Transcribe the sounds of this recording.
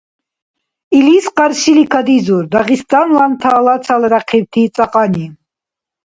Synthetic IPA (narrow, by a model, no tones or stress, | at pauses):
ilisqʼaɾʃilikʰad̪izuɾd̪aʁist̪ʼanlant̪ʰaːlat͡s̪ʰalɾaqʰiwt̪ʰiːt͡s̪ʼaqʼani